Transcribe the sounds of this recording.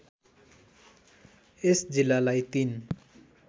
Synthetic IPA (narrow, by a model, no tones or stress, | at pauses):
esd͡zilalajt̪in